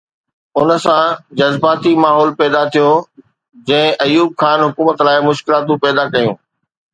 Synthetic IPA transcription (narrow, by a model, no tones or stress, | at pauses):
ʊnə̆sãd͡ʑɐzbaːt̪imaːɦɔːlpɛːd̪at̪ʰijo | d͡ʑɐ̃ɦɪ̃ʔɐjuːb̚xaːnɦʊkuːmət̪laːɪmʊʃkɪlaːt̪ũpɛːd̪akɐjũː